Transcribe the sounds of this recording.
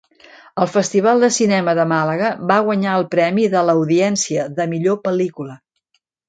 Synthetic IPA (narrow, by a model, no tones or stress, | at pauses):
əlˠfəst̪iβ̞alˠd̪əsinɛməðəmaləɣəβaɣ̞wəɲaəlˠpɾɛmiðələwðiɛnsiəðəmiʎopəlikulə